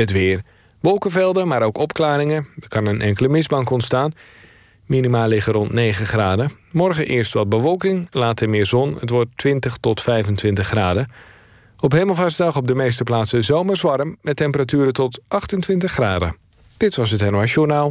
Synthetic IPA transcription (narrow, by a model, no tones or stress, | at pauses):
ətʋɪːər | ʋɔlˠkəvɛlˠdəmaːɾowkɔpklaːɾɪŋəəkɑnənʔɛŋkələmɪzbɑŋkɔntstaːn | minimaːlːɪɣərɔntneːɣəχraːdə | mɔrɣənʔɪːrstʋɑd̚bəʋɔlˠkɪŋlaːtəmɪːzɔnə̰tʋɔtʋɪntəχtɔtfɛjvəntʋɪntəχːraːdə | ɔphejməlˠvasdɑχɔb̚dəmejs̬təplaːtsəzowmərzʋɑɾəmːɛtɛmpəratyːɾətɔtʔɑxtəntʋɪntəχːraːdə̰ | d̥ɪtʋɑsətɛnaʃjonaːlˠ